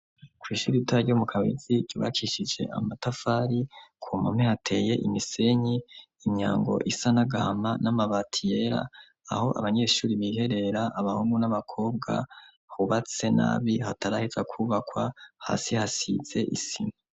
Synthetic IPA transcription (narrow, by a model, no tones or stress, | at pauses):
kwiːʃuɾitaomukʰawḭziɾɟ̥uːβa̰kʰiʃid͡ʒe̞̰ʔa̰matafaɾikʰumamehatʰe̞ːje̞ʔimise̞ɲiː | ɲa̰ːŋɡo̞̰ʔisanaɡahamanamaβatʰijeɾa̰ː | ho̞ʔa̰βaɲe̞ːʃuːɾiβihe̞ɾe̞ɾaʔːβahuŋɡunaβakʰo̞ːbɡa̰ | huβat͡se̞na̰ːβihataɾahizakʰuβakwaha̰ːsihasḭz̥e̞ʔisima